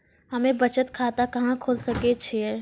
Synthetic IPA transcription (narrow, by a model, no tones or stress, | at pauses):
hɐmẽbɐt͡ʃət̪kʰaːt̪akɐɦãkʰoːlsɐket͡ʃʰeɛː